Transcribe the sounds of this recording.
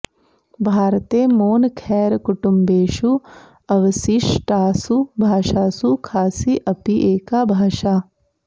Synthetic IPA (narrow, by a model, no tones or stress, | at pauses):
bʱaːɾt̪eːmoːnkʰɛːɾkuʈumbeːʃu | ɐʋəsiʂʈaːsubʱaːʃaːsukʰaːsiʔɐpiʔeːkaːbʱaːʃaː